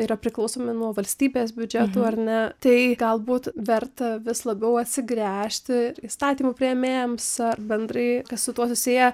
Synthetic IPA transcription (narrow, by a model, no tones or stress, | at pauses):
iːɾɐpʲɾʲɪklˠɐʊsoːmʲɪnuɔʋɐlʲsʲt̪ʲiːbʲeːsbʲʊd͡ʒʲɛt̪uːɐɾnʲɛt̪ɐɪɡɐlˠbuːt̪ʋʲɛrt̪ɐʋʲɪslˠɐbʲɛʊɐt̪ʲsʲɪɡɾʲæːʃʲt̪ʲɪiːst̪ɑːt̪ʲiːmʊpʲɾʲijɛmʲeːɛmsɐrbʲɛnd̪rɐɪkɐssʊt̪uɔsʊsʲeːjɛ